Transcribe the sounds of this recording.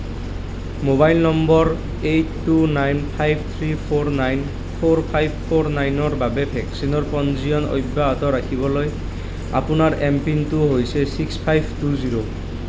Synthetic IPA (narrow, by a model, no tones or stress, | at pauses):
mobajlnɔmbɔɹ | etːunajnpʰajbʱt̪ʰɹipʰoɹnajn | pʰoɹpʰajbʱpʰoɹnajnɔɹbabɛbʱɛksinɔɹpɔnziɔno̰jbːaɦɔtɔɹakʰibɔloj | a̰pʊnaɹempintʊɦojsɛsikspʰajbʱtuziɹo